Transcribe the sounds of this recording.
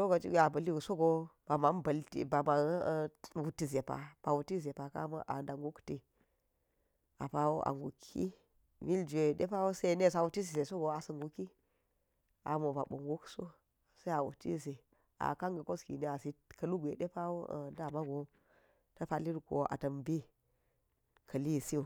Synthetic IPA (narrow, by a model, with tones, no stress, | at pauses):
so˦ɡo˨t͡ʃi˦ɡʲʷe˨a˨bɐ˨li˦wu˨so˦ɡo˦b̥a˨ma˨˦n˦bɐ˨ltḭ˨ba˨ma˨˦wu˨ti˦ze˨pa̰˨b̥a˨wu˨ti˦ze˨pa˨ka̰˦ma̰˦ʔa̰˨nda˨ŋɡu˦kti˨ | a˨pa˦wo˦ʔa̰˨ŋɡu˨kʰḭ˦ | mi˦ld͡ʒe˨ɗe˦pa˦wo˦se˦ne˦˨s̬a˨wu˨ti˦s̬i˨se˨so˦ɡo˨a˨sə˦˨ŋɡu˨ki˦ | a̰˨mo˨ba˨ɓo˨ŋɡu˦kso˦ | sa˦a˨wṵ˨ti˦˨se˨ | a̰˨ka˦ŋɡə˨ko˦skḭ˨ne˦a˨si˦kɐ˦lu˦ɡʷe˨ɗe˦pa˦wo̰˦˨nda˨ma˦ɡo˦ | ta˦pa˦li˦ɾɡo̰˨a̰˨tɐ˨mbi˦ | kʰɐ˨li˦˨si˦u˨